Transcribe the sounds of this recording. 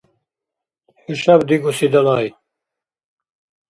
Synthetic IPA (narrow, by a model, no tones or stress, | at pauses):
hiʃɐbd̪iɡusid̪ɐlɑːj